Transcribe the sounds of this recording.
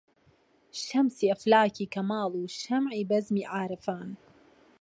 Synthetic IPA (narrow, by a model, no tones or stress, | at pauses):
ʃɐmsiːʔɐflaːkiːkɐmaːlˠuːʃɐmʕiːbɐzmiːʕaːɾɨfaːn